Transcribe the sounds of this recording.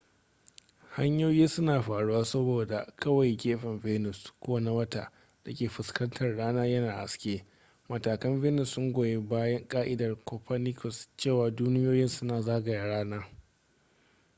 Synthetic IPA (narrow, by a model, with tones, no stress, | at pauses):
ha˦ɲjoː˦jiː˦sʊ˦naː˨ɸaː˨ɽu˦waː˦sɐ˦boː˨da˨kɐ˦wa˨jɡʲeː˦ɸɐ˨nveː˦nʊ˨skʷoː˦wa˨na˦wɐ˦ta̰˦˨ | d̥a˨kʲeː˨ɸɪ˨skɐ˦ntʰɐ˨rɽaː˦naː˦jɐ˦naː˨ʔa̰˨skʲeː˦ | mɐ˨taː˨kɐ˦mveː˦nʊ˨sːʊ˦ŋɡʷoː˨je˦baː˦jɐ˦ŋkʼaː˦ʔɪ˦dɐ˨rkɔː˨ɸʰa˦nɪ˦kʰɔ˨st͡ʃeː˦˨waː˨duː˦nɪ˦joː˦jɪ˦nsʊ˦naː˨zaː˦ɡɐ˨ja˨ɽaː˦naː˦